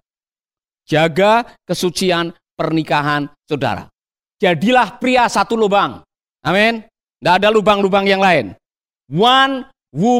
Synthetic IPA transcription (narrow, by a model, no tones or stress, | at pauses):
d͡ʒaɡakəsut͡ʃian | pərnikaɦansoda̰ɾa̰ | d͡ʒadilahpɾiasat̪ulubaŋ | ʔamɛn | ndaːdalubaŋlubaŋjaŋlaɪn | wan | wu